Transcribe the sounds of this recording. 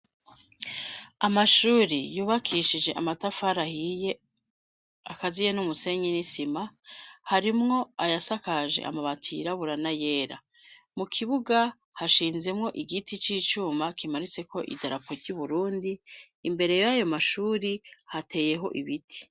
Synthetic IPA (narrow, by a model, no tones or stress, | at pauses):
amaʃuːɾijuːβakʰiʃid͡ʒe̞ʔamatafaɾahije | akazijenumuse̞ɲinisimahaɾimŋo̞ajasakaʒe̞̰ʔa̰maβatʰḭɾaβuɾanaje̞ːɾa̰ | mukʰiβuɡa | haʃiːnze̞mŋo̞ʔiɡitit͡ʃiːt͡ʃuːmakimaɾit͡se̞kʰo̞ʔḭdaɾapʰo̞ɾɟuβuɾuːndiː | mbe̞ɾe̞jajo̞maʃuːɾihatʰe̞ːje̞ɦo̞̰ʔiβitʰi̥